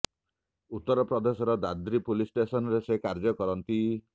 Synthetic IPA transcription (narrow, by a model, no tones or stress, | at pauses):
ut̪ːɔɾɔpɾɔd̪esɔɾɔd̪ad̪ɾipulisʈesɔnɔɾesekaɾd͡ʒɔkɔɾɔnt̪i